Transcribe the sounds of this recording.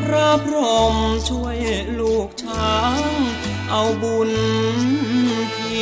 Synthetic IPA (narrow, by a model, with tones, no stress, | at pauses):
ɾa˧˥˩pʰɾo˧mt͡ɕʰu˧əjluː˨˧˩k̚t͡ɕʰaː˨˦˥ŋ | ʔa˧wbu˧˩n˧˩ | pʰiː˧˩